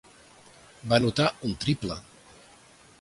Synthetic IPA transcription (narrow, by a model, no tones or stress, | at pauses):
banut̪aunt̪ɾiplə